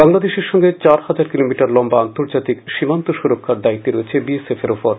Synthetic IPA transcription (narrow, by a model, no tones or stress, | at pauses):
baŋlad̪eʃeɾʃɔŋɡet͡ɕaɾhad͡ʑaɾkilomiʈaɾlɔmbaant̪oɾd͡ʑat̪ikʃimant̪oʃuɾokʰːaɾd̪ait̪ːeɾoet͡ɕʰebiesefeɾopoɾ